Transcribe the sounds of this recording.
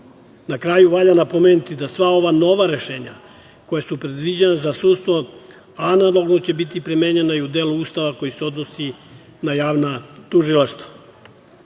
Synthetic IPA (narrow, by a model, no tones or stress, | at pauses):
nakɾaːjuʋaʎanapo̞menut̪id̪asʋao̞ʋano̞ʋaɾe̞ʃe̞ːɲa̰ | ko̞jesupɾed̪ʋid͡ʑenazasuːd̪st̪ʋo̞ | analˠo̞ɡnot͡ɕe̞bit̪ipɾime̞ːɲe̞naiud̪eːluuːst̪aʋako̞jiseo̞d̪no̞si | najaːʋnat̪uʒilaʃt̪ḁ